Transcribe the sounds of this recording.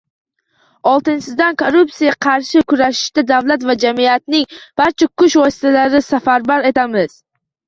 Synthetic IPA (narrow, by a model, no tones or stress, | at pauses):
ɒlˠt̪ɪnsɪzd̪ankʰoɾʊpsijaqʰɑɾʃɪkʰʊzaʃɪ̥ʃt̪ad̪avlat̪vad͡ʒamiat̪̚nɪŋb̥aɾt͡ʃʰakʰʊʃvɒsɪ̥t̪alaɾɪsafaɾbaɾe̞t̪ʰamɪz̥